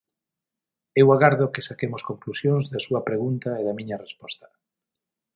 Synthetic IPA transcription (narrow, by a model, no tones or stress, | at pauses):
ewaɣaɾðokɪsakemoskoŋklusjoŋzðasuɐpɾeɣunt̪aeðɐmĩɲɐrespɔst̪ɐ̥